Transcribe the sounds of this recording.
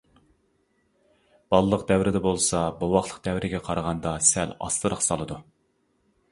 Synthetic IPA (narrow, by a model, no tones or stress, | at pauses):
b̥ɑlˠlˠəqd̪ɛwɾɪd̪ɛbolˠsɑbɑwɑχlˠə̥q̚d̪ɛwɾɪɡʲɛqʰɑɾʁɑnd̪ɑsælɑ̰slˠɨɾəqsɑlˠɨd̪u